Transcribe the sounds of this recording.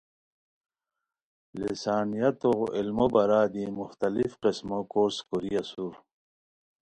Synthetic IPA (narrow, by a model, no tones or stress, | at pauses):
lisaːnijat̪oɣilmobɐɾaːd̪imuxt̪ɐlifqismokoːɾskuɾijasuːɾ